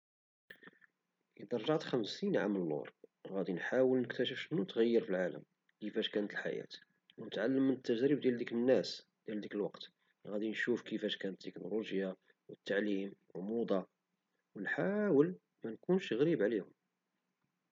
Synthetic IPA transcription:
ʔid̪ɑɾˤʒɑʕt̪xæmsinʕa̰mlːṵɾˤɣæd̪inħawəlnəkt̪æʃ̬əfʃnut̪ɣæjːəɾfilʕalə̰m | kəfæʃkænət̪əlħa̰jæ̰t̪ | wnət̪ʕalːəmːənət̪ːæʒɾib̚d̪jæld̪iklənːæsd̪̥jæld̪ikəlwɑqt̪ | ɣæd̪inʃufkəfæʃkænət̪ːəkno̰loʒja | wət̪ːaʕlimwəlmud̪ˤɑ | wnħawəl | mænkunʃɣɾibʕlihʊm

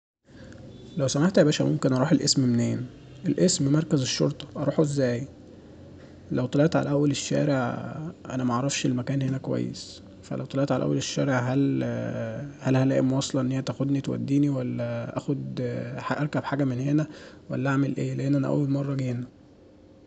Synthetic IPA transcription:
læwsæmaħt̪æbæːʃæmomkenʔɑɾˤuːħelʔḛsmmneːn | ʔelʔesmmɑɾˤkæzeʃːo̰ɾˤt̪ˤɑ̥ʔɑɾˤuːħoʔezːæːj | læwt̪ˤɑleʔt̪ʕalæʔæwːæleʃːæ̰ːɾeʕʔæ̰næmæʔɑʕɾˤɑfʃelmækæːnhenækowæ̰jːḛs | fæ̰lʔæwt̪ˤɑlɑʔt̪ʕalʔæ̰wːæ̰leʃːæːɾeʕɦæl | hælhælæːʔemwɑsˤlɑʔenhejæt̪æxod̪nit̪wæ̰d̪ːiːniwælːæʔæ̰xod̪ħʔæɾˤkæbħaːɡæmenhenæwæ̰lːæʔaʕmelʔeːleʔenːʔænæ̰ʔæ̰wːælmɑrˤːɑɡeːnæ

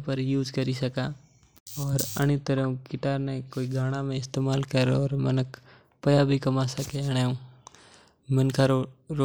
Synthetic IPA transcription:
pɐɾjuːd͡ʒkɐɾisɐka | ɔːɾɐ̰ɽ̃ɪt̪ːəɾeũkɪʈaːɾnekoːiɡʱaːɽ̃amẽɪst̪eːmaːlkɐɾɔːɾmɐnək | pɐjabʱikɐmasɐkeɐɽ̃eũ | mɐ̃nkʰaɾɾ

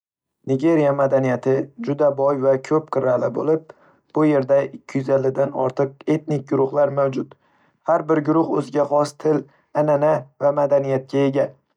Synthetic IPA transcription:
nɪɡʲe̞ɾijamad̪anijat̪ʰɪd͡ʒʊd̪abɒjvakʲʰɵp̚qʰɨɾalɪbolɪp̚ | b̥ʊje̞ɾd̪aɪkʲʰːɪjʊzalːɪd̪anɒ̰ɾt̪ʰɨq̚e̞t̪nɪk̚ʲɡʊɾʊχlˠaɾmawd͡ʒʊt̪ | haɾbɪɾɡʊɾʊhɵzɪɡʲaχɒst̪ʰɪl | ananavamad̪anijat̪̚kʲae̞ɡʲa

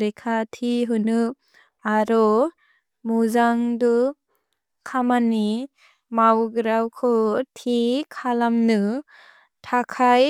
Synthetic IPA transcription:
ɾekʰatʰiɦɯnɯ | aɾɔ | muzaŋdɔ | kʰamani | mawɡɯɾawkʰɔtʰikʰalamnɯ | tʰakʰaj

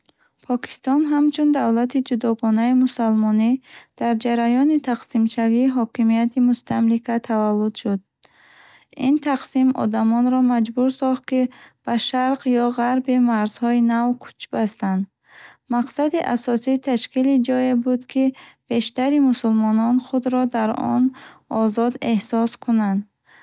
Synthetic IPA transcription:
pʰɔkʰi̥st̪ɔnɦamt͡ʃʰund̪avlat̪ʰid͡ʒud̪ɔɡɔnaimusalmɔnid̪̥aɾd͡ʒaɾajɔnit̪ʰaqsimʃaviːɦɔkimijat̪ʰimust̪ʰamlikʰat̪ʰavalːud̪ʃud̪̚ | int̪ʰaqsimɔ̰d̪amɔnɾɔmad͡ʒbuɾsɔχt̪̚kib̥aʃaɾqjɔʁaɾbimaɾz̥hɔinavkʰu̥t͡ʃbast̪and̪ | maqsad̪iʔa̰sɔsiːt̪ʰaʃkilid͡ʒɔjebud̪kʰib̥e̞ʃt̪aɾimusulmɔnɔnχud̪ɾɔd̪aɾɔ̰nɔzɔd̪e̞hsɔskʰunand̪

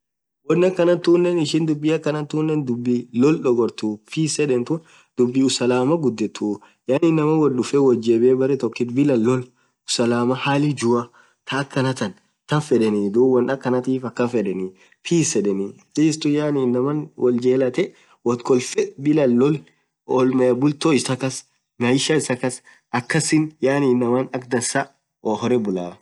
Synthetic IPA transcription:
wɔnːɐkːɐnɐt̪uːnːɛnɪʃɪnd̪ʊbːiɐkːɐnɐt̪uːnːɛnd̪ʊbːilɔlᶑɔɡɔɾt̪ufiːsɛᶑɛnt̪un | d̪̥ʊbːiʊsɐlaːmɐɡʊd̪ːɛt̪ːu | janɪnːɐmɐwɔnɗʊfɛwɔld͡ʒeːbeːbɐɾɛt̪ɔkːɪt̪bɪlɐlːɔl | ʊsɐlaːmɐhaːlɪd͡ʒʊɐ | t̪ʰɐːkːɐnɐt̪ɐn | t̪ɐnfɛᶑɛnid̪uːwɐnɐkːɐnɐt̪iːfɐkːɐfɛᶑɛni | pʰiːsɛᶑɛni | tiːst̪ʊjaːniːnːɐmɐnwɔld͡ʒeːlɐt̪ɛ | wɐt̪kɔlfɛbɪlɐlːɔl | ɔlmɛbʊlt̪oɪsɐkɐs | nɐɪʃɐɪsɐkɐs | ɐkːɐsɪnjaːniːnːɐmɐnɐk̚d̪ɐnsɐ | ɔhɔɾɛbʊlaː

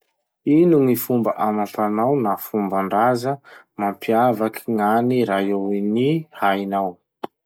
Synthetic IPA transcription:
inuŋifumbəʔamapanawnafumbaɳɖ͡ʐazə | mampiavakʰiŋaniɾaewinihajnaw

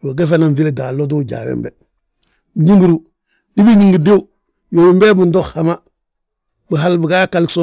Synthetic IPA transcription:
woɡefananfiledaloduɟa̰ːwḛmbḛ | biɲiŋɡuɾu | nibiɲiŋɡidiw | jowimbebundoxhama | bəɦalbuɡakalkso

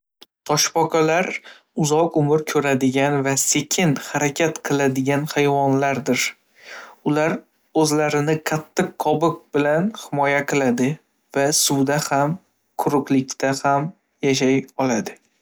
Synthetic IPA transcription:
t̪ʰɒʃpɒqʰalaɾ | ʊzɒqʊmɪɾkʲʰɵɾad̪ɪɡʲanvase̞kʲʰɪnhaɾakʲʰat̪qʰɨlˠad̪ɪɡʲanhajvɒnlaɾd̪ɪɾ | ʊlaɾ | ɵzlaɾɪnɪqʰat̪ʰːɨqːʰɒbɨq̚bɪlanhɪmɒjaqʰɨlˠad̪ɪ | vasʊwd̪aham | qʰʊɾʊqlɪkʲt̪ʰaham | jaʃ̬ajɒlad̪ɪ

